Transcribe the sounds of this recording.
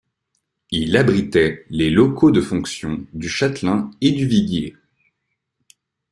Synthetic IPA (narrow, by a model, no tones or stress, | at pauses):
ilabʁit̪ɛlelɔkʰod̪əfɔ̃ksjɔ̃d̪yʃat̪lɛ̃ed̪yviɡe